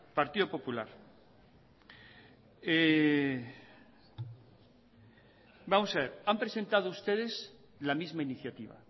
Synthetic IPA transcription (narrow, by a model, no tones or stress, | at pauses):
paɾt̪iðopo̞pulaɾ | e | bamosaβeɾampɾe̞se̞nt̪að̞oust̪eð̞es | lamizmainiθjat̪iβ̞a̰